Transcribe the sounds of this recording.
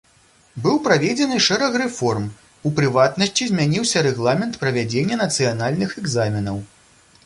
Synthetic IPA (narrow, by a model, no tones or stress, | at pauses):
bɨwpɾavʲed͡zʲɛnɨʂɛɾɐxrɛfɔrm | upɾɨvat̪nɐsʲt͡sʲizʲmʲanʲiwsʲɐɾɛɣlˠamʲɛnt̪pɾɐvʲad͡zʲenʲːɐnɐt̪sɨjanalʲnɨxɛɡzamʲinɐw